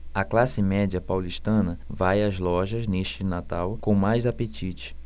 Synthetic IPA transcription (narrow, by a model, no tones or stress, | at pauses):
ɐklasɪmɛd͡ʒiɐpawliʃt̪ɐ̃nɐvajɐzlɔʒɐzneʃt͡ʃɪnat̪awkõmajzapet͡ʃit͡ʃɪ̥